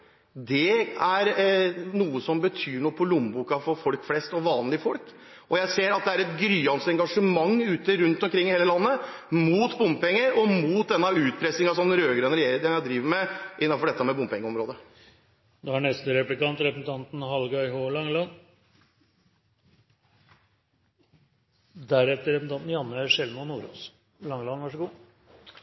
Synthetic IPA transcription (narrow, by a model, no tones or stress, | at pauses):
d̪ɛæɾnuːəsɔmbət̪ʰyːɳɔpʰɔlʊmbuːkɑfɔɾfɔlkflɛst̪ɔʋɑːnlɪfɔlk | ʔɔjæɪseːɾɑt̪̚d̪ɛæɾɛt̪ɡɾyːɑnsɛŋɡɑʂəmɑŋːʉːt̪əɾʉnt̪ɔmkʰɾɪŋːɪheːləlɑnːəmuːt̪bʊmpɛŋːəɾɔmuːt̪̚d̪ɛnːɑʉːt̪pʰɾɛsnɪŋɑsɔmɾøːɡɾœnɾɛjeːɾəd̪ɛmjæɪd̪ɾiːʋəɾmɛʔɪnːɑfɔɖɛt̪ːəmɛbʊmpʰɛŋːəɔmɾoːd̪ə | d̪ɔhɑɳɛst̪əɾɛplɪkɑnt̪ɾɛpɾsn̩t̪ʰɑnt̪n̩ɦɑlɡɑɪɦoːlɑŋːlɑn | d̪æɾɛt̪ːəɾɛpsn̩t̪ɑnt̪n̩jɑnːəʂɛlmɔnuːɾo̰s | lɑŋəlɑnʋæʂəɡuː